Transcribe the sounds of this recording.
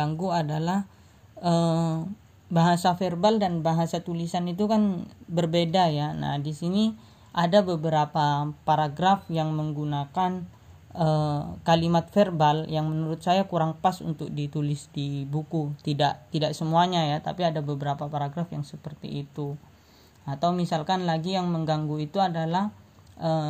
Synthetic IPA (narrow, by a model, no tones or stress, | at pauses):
ɡaŋɡuadalah | ə | baɦasaferbaldanbaɦasat̪ulisanit̪̬ukanbərbedajana̰hdisini | ʔadabəbəɾapapaɾaɡɾafjaŋməŋɡunakan | əkalimat̪̚ferbaljaŋmənuɾʊt̪̚sajakuɾaŋpasṵnt̪ʊk̚dit̪ulɪsdibukut̪idaʔt̪idaʔsəmuaɲajat̪a̰piadabəbəɾapapaɾaɡɾafjaŋsəpərt̪ḭʔːt̪u | at̪awmisalkanlaɡijaŋməŋɡaŋɡuit̪uadalah | ʔə